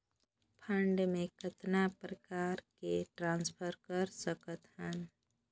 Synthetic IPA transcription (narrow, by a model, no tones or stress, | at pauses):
pʰəɳɖmẽkət̪napɾəkaːɾkeʈɾãːnspʰəɾkəɾsəkət̪ɦən